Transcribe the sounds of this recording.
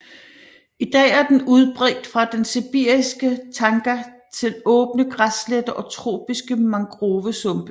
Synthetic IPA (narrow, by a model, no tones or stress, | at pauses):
id̥ɛ̰ːæɐd̥enuð̞ˠb̥ʁɛːɡ̥̚d̥fʁɑ̈d̥ensib̥iɐ̰isɡ̥ət͡sʰɑ̈ŋɡ̥ɐ | t͡sʰe̝lɔ̽ːb̥nəɡ̥ʁasled̥əʔɒ̽t͡sʰʁo̝̰ːb̥isɡ̥əmɑ̈ŋɡ̥ʁoːʋəsɔ̽mb̥ə